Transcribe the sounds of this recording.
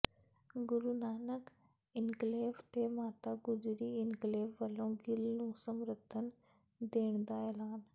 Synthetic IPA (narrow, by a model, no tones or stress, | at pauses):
ɡʊɾunaːnək | ɪnɡleːʋt̪emãːt̪aɡʊd͡ʒɾiɪnɡleːʋːɐlõɡɪlnũːsɐmɾət̪ʰənɪ | d̪eːɽ̃d̪aːeːlaːn